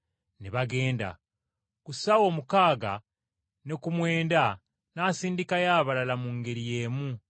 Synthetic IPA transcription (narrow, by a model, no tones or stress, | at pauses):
neβaɡe̞ːnda̰ | kusawo̞ːmukaːɡa | ne̞kumwe̞ːnda | naːsiːndikajaːβalalamuŋɡe̞ɾije̞ːmu